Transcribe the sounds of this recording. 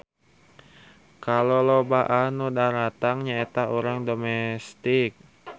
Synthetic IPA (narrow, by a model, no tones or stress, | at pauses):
kalolobaʔanudaɾat̪aŋɲaet̪auɾaŋdomɛst̪ɪk̚